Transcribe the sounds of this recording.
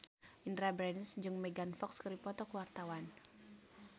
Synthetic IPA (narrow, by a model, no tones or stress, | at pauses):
ʔindɾabɾɛnisd͡ʒɨŋmɛɡanfɔkskəɾipɔt̪ɔkəwart̪awan